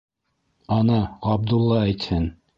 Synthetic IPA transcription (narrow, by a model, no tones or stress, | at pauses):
ɑnɑɑb̚d̪ulˠːɑæjt̪hɘn